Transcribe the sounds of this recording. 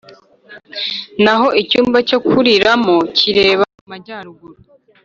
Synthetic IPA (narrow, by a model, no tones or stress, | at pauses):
naɦo̞ʔicuːmbaco̞kuɾiɾamociɾe̞ːβaumaɟaːɾuɡuɾu